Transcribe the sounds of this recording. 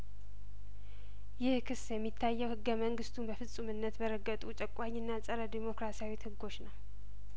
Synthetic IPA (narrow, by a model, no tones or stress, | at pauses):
jɪhkʰɨsjɛmːit̪ʰːajːɛwhɨɡːəməŋɡɨst̪ʰunbəfɨsʼumɨnːət̪bəɾəɡːət̪ʼut͡ʃʼəkʼaɲːɪnːasʼəɾəd̪imo̞kɾasijawithɨɡo̞t͡ʃːnəw